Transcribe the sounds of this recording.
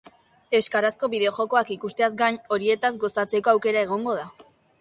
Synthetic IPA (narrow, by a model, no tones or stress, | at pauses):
e̞skaɾasko̞βiðe̞o̞ʝo̞ko̞akikust̪e̞azɡaɲo̞ɾie̞t̪azɡo̞sat͡se̞ko̞awke̞ɾae̞ɣ̞o̞ŋɡo̞ða